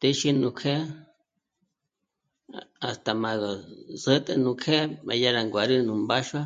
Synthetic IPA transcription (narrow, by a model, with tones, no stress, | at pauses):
t̪e˦ʃi˦nũ˨kʰe˦ | a˨st̪a˨ma˨ɣa˨zə˦t̪ʼe˧nũ˧kʰe˦mã̰˨ja˦ɾa˨ŋɡʷa˨ɾi˦nũ˨mba˦ʃwa˦